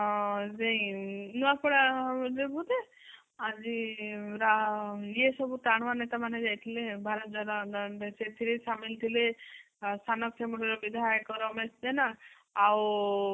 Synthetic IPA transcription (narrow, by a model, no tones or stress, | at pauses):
zeĩnuakɔɽaɾebud̪e | ad͡ʒiɾajesɔbuʈ̪aɽ̃ʋanet̪amaned͡ʒajt̪ʰilebʱaɾɔt̪̚d͡ʒɔɾad̪eset̪ʰiɾesamilt̪ʰile | st̪ʰanɔkt͡ʃʰemuɽeɾɔbid̪ʱajkɔɾɔmesd̪enaː | w